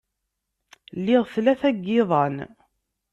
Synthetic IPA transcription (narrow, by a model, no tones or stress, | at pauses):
lːɪʁθlæθæɡːɪðˤɑn